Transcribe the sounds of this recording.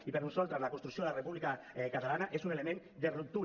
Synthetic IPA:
ipeɾunsalt̪ɾazlakonst̪ɾuksioelarepuβlika | kat̪alanaʔe̞sunelemen | d̪erut̪u

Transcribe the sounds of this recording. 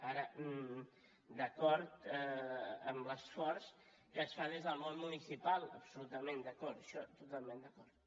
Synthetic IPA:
aɾə | d̪əkɔɾt̪ | əmləsfɔɾs | kəsfad̪ezðəlˠmonmunisipalˠəpsulut̪əmẽnd̪əkɔɾt̪ə̥ʃɔt̪ut̪alˠmẽnd̪əkɔɾt̪

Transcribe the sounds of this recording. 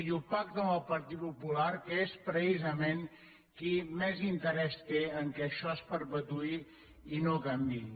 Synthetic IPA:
jupakt̪əməlpəɾt̪it̪pupulaɾkespɾəsizəmeŋ | kimɛzint̪əɾɛst̪eəŋkɛʃɔspəɾpət̪ui | inokambi

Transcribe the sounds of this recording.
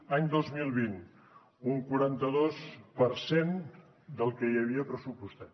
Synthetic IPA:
aɲd̪ozmilˠβin | uŋkwuɾant̪əðospəɾsen | d̪əlˠkəiəβ̞iəpɾəsupust̪a

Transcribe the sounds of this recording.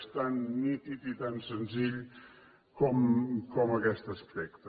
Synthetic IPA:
st̪anːit̪it̪it̪ansənziʎ | kɔmkɔmɐkɛst̪əspɛk̚t̪

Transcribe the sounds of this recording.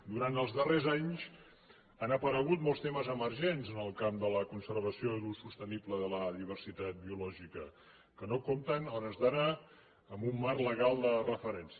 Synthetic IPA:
d̪uɾant̪əlˠzðərezaɲz | anəpəɾəɣut̪̚mɔlˠst̪eməzəməɾʒenzənəlˠkamd̪ələkunsəɾβəsioðusust̪ənipləðələðiβ̞ərsit̪at̪̚biulɔʒikə | kənokomt̪ənɔɾəzðənaː | mbumːarləɣalˠd̪ərəfəɾɛnsi

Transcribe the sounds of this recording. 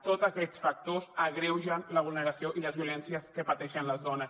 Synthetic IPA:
t̪ot̪zakɛt̪sfak̚t̪osəɣɾɛwʒənləβ̞ulˠnəɾasioʔiləzβiulɛnsiəskəpat̪ɛʃənləzðɔnəs

